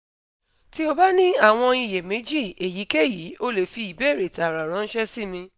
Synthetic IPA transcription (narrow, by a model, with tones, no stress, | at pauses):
ti˦o˧ba˦nĩ˦a˦˨w̃ɔ̃˧i˧˨je˨mẽ˨˦d͡ʒi˦˨e˨ji˨˦ke˦˨ji˨˦o˦le˨fi˧i˨be˦˨ɾe˨ta˨ɾa˨ɾ̃ã˨˦n̩˦ʃɛ˦si˦˨mĩ˧